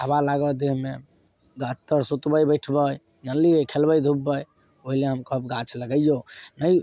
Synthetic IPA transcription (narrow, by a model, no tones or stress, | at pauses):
abalaɡəd̪eɦme | ɡat͡ʃt̪əɾsut̪bəjbəjʈʰbəj | nəlikʰelbəjd̪ʱubːəj | oɦileɦəmkəpɡat͡ʃʰləɡəjjonəj